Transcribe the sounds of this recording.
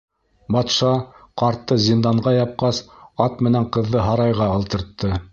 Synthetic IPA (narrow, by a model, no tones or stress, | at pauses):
bɑt̪ʃɑqɑɾt̪ːɤzʲind̪ɑɴʁɑjɑp̚qɑsɑt̪̚mɘ̆næɴqɤ̆ðːɤɦɑɾɑjʁɑɑlˠt̪ɤ̆ɾt̪ːɤ